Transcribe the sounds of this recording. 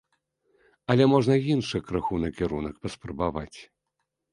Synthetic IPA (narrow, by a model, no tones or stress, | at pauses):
ɐlʲɛmɔʐnɐjinʂɨjkɾaxunɐkʲɛɾunɐkpɐspɾɐbavat͡sʲ